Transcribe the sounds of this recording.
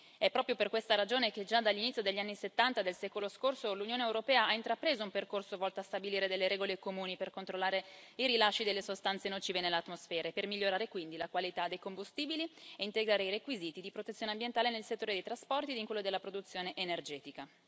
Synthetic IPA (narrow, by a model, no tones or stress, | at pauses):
ɛpːɾɔːpɾjoperkwest̪aɾad͡ʒoːnek̟ed͡ʒad̪alːinit̪sːjod̪eʎːanːiset̪ːant̪ad̪elsɛːkoloskorsolunjoːneewɾopɛːaaint̪ɾapɾeːzoumperkorsovɔlt̪oast̪abiliːɾed̪elːeɾɛːɡolekomuːniperkont̪ɾolːaːɾeiɾilaʃːid̪elːesost̪ant̪senot͡ʃiːvenelːeat̪ːmosfɛːɾaepermiʎːoɾaːɾekwind̪ilakwalit̪ad̪ejkombust̪iːbilieint̪eɡɾaːɾeirekwiziːt̪id̪ipɾot̪et̪sjoneambjent̪aːlenelset̪ːoːɾed̪ejt̪ɾaspɔrt̪id̪iŋkwelːod̪elːapɾod̪ut̪sjoːneʔenerd͡ʒɛːt̪ika